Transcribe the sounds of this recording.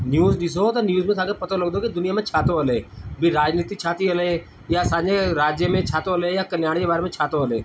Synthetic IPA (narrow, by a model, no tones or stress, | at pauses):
njuːzɗɪsot̪onjuːzmẽt̪ʰaːkepət̪oləɡd̪okid̪ʊnɪjaːmẽt͡ʃʰaːt̪oɦəleːbʱiɾaːd͡ʒniːt̪it͡ʃʰaːt̪iɦəleː | jasaːd͡ʒeɾaːd͡ʒjəmẽt͡ʃʰaːt̪oɦəlejaːkənjaːɽkebaːɾemẽt͡ʃʰaːt̪oɦəleː